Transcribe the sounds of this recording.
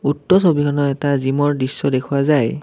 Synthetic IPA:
utːɔsobikʰɔnɔɛtazimɔɹdisːɔdekʰuwazaj

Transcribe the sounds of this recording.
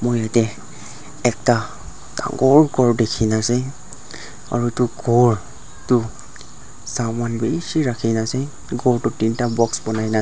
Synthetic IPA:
mojatɛ | ɛk̚ta | ta̰ŋɡɔɹɡɔɹdekʰinasɛ | a̰ɹutuɡɔɹ | tʊ | sawmanbisiɹakʰinasɛ | ɡɔɹtʊtintabɔksbɔnajna

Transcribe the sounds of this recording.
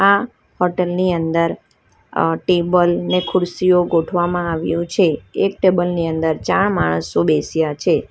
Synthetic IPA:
a | hɔʈelniənd̪əɾ | ʈebəlnekʰʊɾsijoɡoʈʰʋamãaʋjũt͡ʃʰeːk̚ʈebəlniənd̪əɾt͡ʃaɳmaɳ̃əsobesjat͡ʃʰe

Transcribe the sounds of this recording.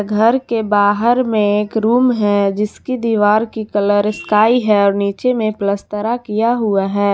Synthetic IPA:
ɡʱəɾkebaːɦəɾmẽeːkɾuːmɦɛd͡ʒɪskid̪iːʋaːɾkikɐləɾskaːiɦɛɔːɾniːt͡ʃemẽpləst̪əɾakijaɦʊaɦɛː

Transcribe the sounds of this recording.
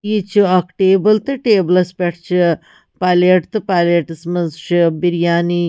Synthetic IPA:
jit͡ʃʰuɐkʈeːbɐlt̪ɨʈeːblɐspʲeʈʰt͡ʃʰi | paleʈt̪ɨpaːleʈɐsmɐzʃɨbiɾjaːni

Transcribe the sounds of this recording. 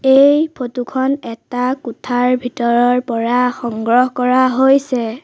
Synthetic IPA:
ejpʰotukʰɔnɛtakutʰaɹbʱitɔɹɔɹpɔɹaxɔŋɡɹɔɦkɔɹaɦojsɛ

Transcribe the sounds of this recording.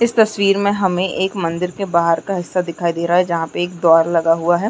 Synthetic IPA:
ɪst̪ɐswiːɾmẽɦɐmẽʔeːkmɐ̃nd̪ɪɾkebaːɦəɾkaɦɪsːad̪ɪkʰaːid̪eːɾaɦaɦɛd͡ʒɐɦãpeeːk̚d̪ɔːɾlɐɡaɦuaɦɛː

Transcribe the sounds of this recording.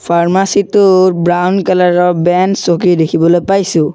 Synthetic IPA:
pʰaɹmasitʊɹbɹawnkalaɹɔɹbɛnsokidekʰibɔlojpajsʊ̃

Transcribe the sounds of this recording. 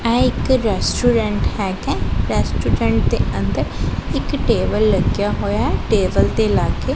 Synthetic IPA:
ɛ̃ːɪkɾɛːsʈuːɾɛ̃ɳʈhɛkɛ̃ɾɛːsʈuːɾɛ̃ɳʈ̚d̪ẽə̃nd̪əɾɪkʈeːʋəlːɐɡijaɦoːjaɦɛʈeːʋəlt̪eɪlaːke

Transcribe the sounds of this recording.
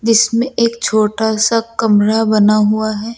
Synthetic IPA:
d͡ʒɪsmẽʔeːk̚t͡ʃʰoːʈasakɐmɾabɐnaɦuaɦɛː

